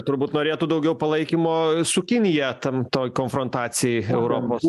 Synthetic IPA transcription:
t̪ʊɾbuːt̪noːɾʲeːt̪uːd̪ɐʊɡʲɛʊpɐlˠɐɪkʲimoːsʊkʲɪnʲɪjɛt̪ɐmt̪oːjkoːnfɾont̪ɑːsʲɪjɛɪɛʊɾoːpoːs

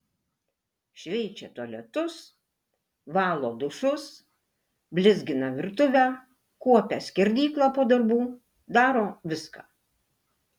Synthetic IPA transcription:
ʃʲʋʲɛɪt͡ʃʲɛt̪uɔlʲɛt̪ʊs | ʋɑːlˠoːd̪ʊʃʊs | bʲlʲɪzʲɡʲɪnɐʋʲɪɾt̪ʊʋʲæː | kuɔpʲæsʲkʲɛɾʲd̪ʲiːklˠɐpoːd̪ɐɾbuː | d̪ɑːɾoːʋʲɪskɑ̰ː

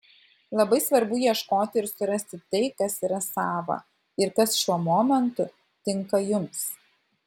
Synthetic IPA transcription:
lˠɐbɐɪsʋɐɾbʊjiɛʃkoːt̪ʲɪɪɾsʊɾɐsʲt̪ʲɪt̪ɐɪkɐsiːɾɐsɑːʋɐ̰ | ɪɾkɐsʃʲuɔmɔːmʲɛnt̪ʊ | t̪ʲɪŋkɐjʊms

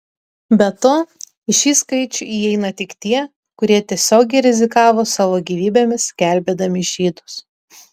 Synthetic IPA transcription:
bʲɛt̪oː | ɪʃʲiːskɐɪt͡ʃʲʊiːɛɪnɐt̪ʲɪkt̪ʲiɛ | kʊɾʲiɛt̪ʲiɛsʲoːɡʲɛɪɾʲɛzʲɪkɑːʋoːsɑːʋoːɡʲiːʋʲiːbʲeːmʲɪsɡʲæˑlʲbʲeːd̪ɐmʲɪʒʲiːd̪ʊs

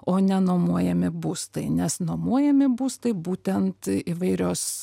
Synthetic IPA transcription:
oːnʲɛnoːmuɔjɛmʲɪbuːst̪ɐɪnʲɛsnoːmuɔjɛmʲɪbuːst̪ɐɪbuːt̪ʲɛnt̪ɪʋɐɪɾʲoːs

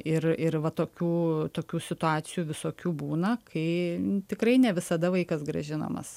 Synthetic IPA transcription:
ɪrɪrʋɐt̪oːkʲuːt̪oːkʲuːsʲɪt̪ʊɑːt̪sʲɪjuːʋʲɪsoːkʲuːbuːnɐkʰɐɪt̪ʲɪkɾɐɪnʲɛʋʲɪsɐd̪ɐʋɐɪkɐsɡɾɐ̰ʒʲɪnɐ̰mɐ̰s

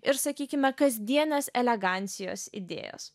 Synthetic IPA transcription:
ɪɾsɐkʲiːkʲɪmʲɛkɐzʲd̪ʲiɛnɐsɛlʲɛɡɑˑnʲt̪sʲɪjo̰ːsɪ̰d̪ʲḛːjo̰ːs

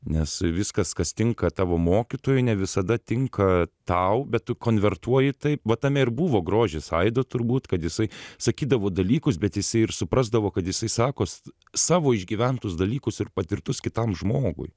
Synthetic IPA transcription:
nʲɛsʋʲɪskɐskɐst̪ʲɪŋkɐt̪ɑːʋoːmoːkʲɪt̪oːjʊɪnʲɛʋʲɪsɐd̪ɐt̪ʲɪŋkʰɐt̪ɐʊbʲɛt̪tʊkoːnʲʋʲɛrt̪uɔjɪt̪ɐɪpʋɐt̪ɐmʲɛɪɾbuːʋoːɡɾoːʒʲɪsɐɪd̪ot̪ʊɾbuːt̪kɐt̪jɪsɐɪsɐkʲiːd̪ɐʋoːd̪ɐlʲiːkʊsbʲɛt̪jɪsɐɪɪrsʊpɾɑzd̪ɐʋoːkɐt̪jɪsɐɪsɑːkoːs | sɑːʋoːɪʒʲɡʲiːʋʲɛnt̪ʊsd̪ɐlʲiːkʊsɪrpɐt̪ʲɪrt̪ʊskʲɪt̪ɐmʒmoːɡʊ̰j

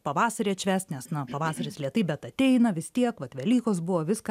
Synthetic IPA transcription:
pɐʋɑːsɐɾʲeːt͡ʃʲʋʲæːsʲt̪nʲɛsnɐpɐʋɑːsɐɾʲɪslʲiɛt̪ɐɪbʲɛt̪ɐt̪ʲɛɪnɐʋʲɪst̪ʲiɛkʋɐt̪ʋʲɛlʲiːkoːs̬bʊʋoːʋʲɪsk

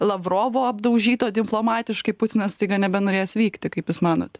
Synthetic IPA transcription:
lˠɐʋroːʋoːɐbd̪ɐʊʒʲiːt̪oːd̪ʲɪmplˠoːmɑːt̪ʲɪʃkɐɪpʊt̪ʲɪnɐst̪ɐɪɡɐnʲɛbʲɛnoːɾʲeːjsʋʲiːkt̪ʲɪkɐɪpjʊsmɑːno̰ːt̪

